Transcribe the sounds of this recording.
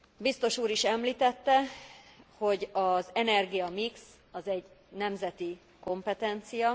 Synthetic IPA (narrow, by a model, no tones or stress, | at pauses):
bist̪o̞ʃuːɾiʃɛmliːt̪ɛt̪ːɛ | ho̞ɟɒzɛnɛrɡijɒmiks | ɒzɛɟnɛmzɛt̪i | ko̞mpɛt̪ɛnt̪sijɒ